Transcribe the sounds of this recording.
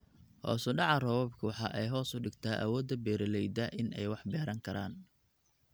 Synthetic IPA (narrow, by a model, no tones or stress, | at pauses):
hɔ̰ːsʊɖɑʕɑrɔːwɐbkʰɐwɑħɑʔɛjɦɔːsʊɖɪɡt̪ʰaːʔɐ̰wɔːd̪ɐbɛːɾɪlɛjd̪ɐʔɪnɛjwɑħbɛːɾɐŋkʰɐɾaːn